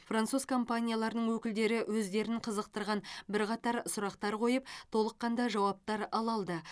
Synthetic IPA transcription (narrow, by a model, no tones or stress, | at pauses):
frant̪suz̥kʰo̞mpanʲijalˠɑɾnəɴwɵkʲɪld̪e̞ɾɪwɵzd̪e̞ɾɪɴqʰəzəq̚t̪əɾʁɑnbɪɾqɑt̪ɑɾsʊɾɑqt̪ɑɾqʰo̞jəp̚t̪ʰo̞lˠəqːɑnd̪ɑʒɑwɑp̚t̪ɑɾɑlˠɑlˠd̪ə